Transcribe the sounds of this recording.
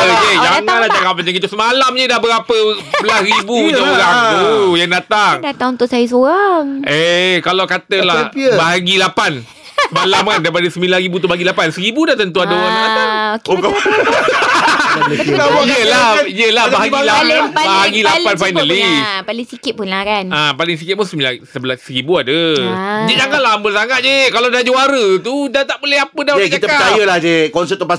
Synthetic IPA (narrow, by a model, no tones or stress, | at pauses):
əd͡ʒed͡ʒaŋãnlad͡ʒakap̚mat͡ʃaŋkit̪usəmalamɲədahbəɾapəbəlasribuuuɾakujaŋdat̪aŋdat̪aŋunt̪ʊʔsajas̬oɣaŋekalawkat̪əlahbaɦaɡilapan | smalamandajpadəsəmilanɾibut̪ubaɡilapansəɾibudaht̪ənt̪̬uadaoɾaŋaakoka | jəlaiəlabaɦaɡilabbaɦaɡilapanfajnalipalɪŋsikɪt̪̚pʊnlakanapalɪŋs̬ikɪt̪̚punsəmilasəbəlasəɾibuadəd͡ʒad͡ʒaŋanlambəsaŋat̪̚d͡ʒekalawdad͡ʒoaɾət̪udat̪aʔboleɦapədakiat̪əəat͡ʃajəlahd͡ʒekɔnsəɛt̪̚upa